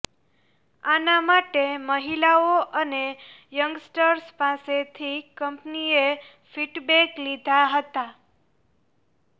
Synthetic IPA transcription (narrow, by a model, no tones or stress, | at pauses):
anamaʈeməɦilaoʔənejəŋɡsʈəɾspaset̪ʰikəmpnie | fiʈbeklid̪ʱaɦət̪a